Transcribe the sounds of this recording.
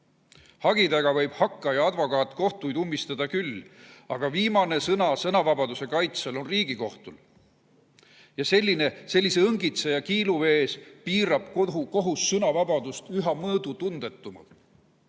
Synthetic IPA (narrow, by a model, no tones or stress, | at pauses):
hɑɡ̥id̪æɡ̥ɑvɤ̞jb̥hɑkːɑjɑɑd̪vo̞kɑːt̪ːˑko̞ht̪ujd̪umːist̪ɑd̪̥ɑkylɑɡ̥ɑviːmɑne̞sɤnɑsɤnɑvɑbɑd̪use̞kɑjt̪selo̞nriːɡ̥iko̞ht̪ul | jɑse̞lʲːine̞se̞lʲːise̞ɤŋɡit̪sejɑkiːluve̞ːspiːɾɑb̥kɦuko̞ɦusːɤnɑvɑb̥ɑd̪̥ust̪yɦɑmɤːd̪̥ut̪und̪̥e̞t̪ːˑumɑ̰